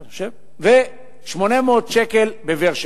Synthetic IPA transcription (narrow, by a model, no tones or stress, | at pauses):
ʃe | ve | ʃmonemoːt̪ʃekelbeveʁʃ